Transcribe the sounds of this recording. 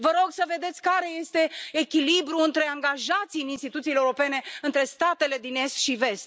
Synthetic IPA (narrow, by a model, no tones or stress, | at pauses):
vəɾo̞ɡsəve̞d̪e̞t̪sʲkaɾe̞je̞st̪e̞ːkʲilibɾuɨnt̪ɾe̞aŋɡaʒat̪siɨninst̪it̪ut̪sileuɾo̞pe̞ne̞ɨnt̪ɾe̞st̪at̪e̞le̞d̪ine̞st̪ʃive̞st̪